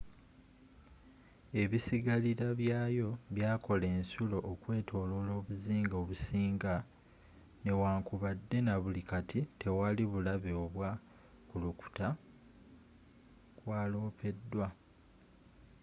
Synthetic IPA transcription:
e̞βisiɡaliɾaβjaːjo̞βjaːkʰo̞le̞ːnsulo̞ʔːkwe̞ːtʰo̞ːlo̞lo̞ːβuziːŋɡo̞βusiːŋɡa | ne̞waːŋkuβadːe̞naβulikatʰitʰe̞waliβulaβeoβwa | kuluku̥ta | kwaːlo̞ːpe̞dːwa

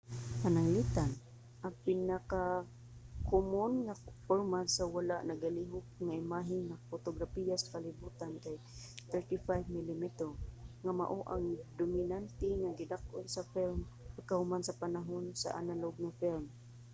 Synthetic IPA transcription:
panaŋlit̪an | ʔapɪnaka | kʊmʊnŋafoɾmasawalaʔnaɡaliɦʊk̚ŋaɪmaɦɪnŋafot̪oɡɾapijasḁkalɪbut̪ankaj | t̪ɛɹt̪ifajvmɪlimit̪ɛŋama̰ʔoʔaŋd̪ʊmɪnant̪ɪŋaɡɪd̪akʔʊnsafɪlm | pakahʊmansapanaɦʊnsa̰ʔa̰naloɡ̚ŋafɪlm

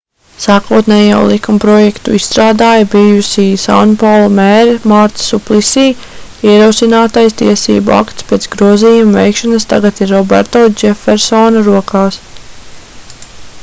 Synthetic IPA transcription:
saːkuɔt̪nɛːjaw̰lˠikumpɾɔjɛkt̪ṵist̪ɾaːd̪aːjɐbijusiːsanpawlˠmɛːɾmaɾt̪suplˠisiː | iɛɾowsinaːt̪ajst̪iɛsḭːbua̰kt̪spʲeːt̪sɡɾuɔziːjumvɛjkʃanɐst̪a̰ɡat̪iɾːɔbɛ̰ɾt̪od͡ʒɛfɛɾsɔnɐɾuɔkaːs

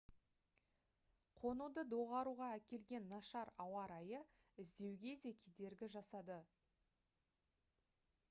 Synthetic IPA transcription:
qʰo̞nud̪əd̪o̞ʁɑɾuʁɑækʲe̞lɡʲe̞nːɑʃɑɾɑwɑɾɑjə | ɪzd̪e̞wɡʲe̞d̪e̞kʲʰed̪e̞ɾɡʲɪʒɑsɑd̪ə

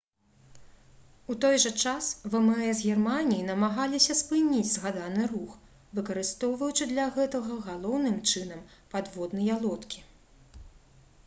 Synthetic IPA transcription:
ut̪ɔjʐɐt͡ʂasvɛmɛɛzɣʲɛrmanʲijinɐmaɣalʲisʲɐspɨnʲid͡zʲzɣad̪anɨrux | vɨkɐɾɨst̪ɔwvɐwt͡ʂɨd̪lʲɐɣɛt̪ɐɣɐɣalˠɔwnɨmt͡ʂɨnɐmpad̪vɔd̪nɨjalˠɔt̪kʲi̥

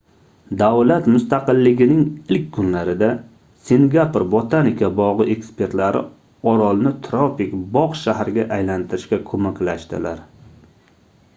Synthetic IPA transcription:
d̪awlat̪mʊst̪aqɨlːɪɡʲɪnɪŋɪlkʲkʰːʊnlaɾɪd̪a | siŋɡʲapɾbot̪ʰanikʰʲabɒʁɨe̞kspʰe̞ɾt̪laɾɪ̰ | ɒɾɒlˠnɪt̪ʰɾopɪkbɒqʃaɦɾɪɡʲaʔajlant̪ʰɪɾɪʃkʲakʰɵmakʲlaʃt̪ɪ̰laɾ

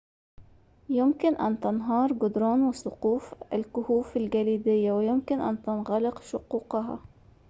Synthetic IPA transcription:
jʊmkɪnʔant̪anɦɑːɾˤɡʊd̪ɾoːnwɪsʊquːfɪ̰lkʊhuːfɪlɡaliːd̪ɪjːawɪjʊmkɪnʔa̰nt̪ɪnɣɑlɪqʃʊquːqɑɦɑ̰

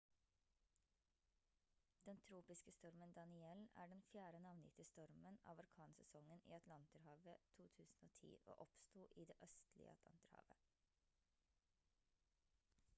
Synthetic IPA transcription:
d̪̥ɛnt̪ʰɾuːpɪskəst̪ɔɾmənd̪ɑnɪɛlæ̰ːɖɛnfjæːɾənɑːʋnɪ̰t̪ɪəst̪ɔɾmənɑ̰ːʋɑɾkʰɑːnsɛsɔŋənḭːɑt̪ʰlɑnt̪əɾhɑːʋət̪ʰuːt̪ʰʉːsn̩oːt̪ʰḭːʔo̰ːʔɔpst̪uːʔiːd̪eːʔœst̪lɪ̰ə̰ɑt̪ʰlɑ̰nt̪əɾhɑ̰ːʋə̰

